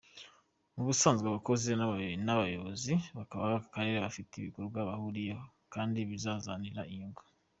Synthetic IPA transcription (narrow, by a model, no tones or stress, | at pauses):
muβusaːnzɡwaβako̞zenaβnaβajoβoziβakaβaβaakaɾe̞ɾeβafiteiβḭkoɾubɡwaβahuɾijeho | kaːndiβizazaniɾaiŋɡu